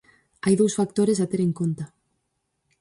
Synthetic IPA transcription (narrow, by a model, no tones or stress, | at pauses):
ajðowsfak̚t̪oɾɪs̬at̪eɾeŋkont̪a